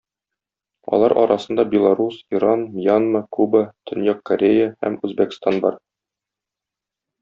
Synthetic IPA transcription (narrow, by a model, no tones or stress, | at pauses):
ɒ̰lˠɑɾʔɒ̰ɾʔɑsɤ̆nd̪ɑbʲelˠaɾusiɾɑnmjanməkubət̪ɵ̆njɑkːɐɾʲejəhæ̰mʉzbækst̪ɑnbɒ̰ɾ